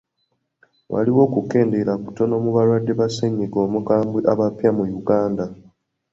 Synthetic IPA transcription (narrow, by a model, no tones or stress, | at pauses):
wa̰liwo̞ːkuke̞ːnde̞lakuto̞no̞muβaɾwadːe̞βaseɲːiɡo̞ːmuɡaːmbiʔaβapjamujuɡaːnda